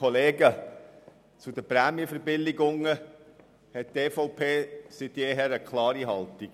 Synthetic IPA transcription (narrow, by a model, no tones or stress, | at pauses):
ɔleːɡə | t͡sʊd̪əpɾæːmjəfəɾbɪlːɪɡʊŋə | hɛt̚teːfɔʊpʰeːsɪtːɛːɦɛːɾəkʰlɑːɾiɦɑlt̪iɡ̥